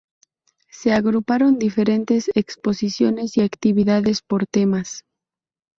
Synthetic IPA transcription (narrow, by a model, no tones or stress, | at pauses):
se̞aɣɾupaɾo̞nd̪ife̞ɾe̞nt̪e̞sekspo̞sisjo̞ne̞siakt̪iβiðaðe̞spo̞ɾt̪e̞mas